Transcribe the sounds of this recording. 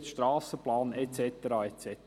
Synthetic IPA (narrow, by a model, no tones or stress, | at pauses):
ʃtɾɑːsəplɑːnɛt͡sɛt̪əɾɑɛt͡sɛt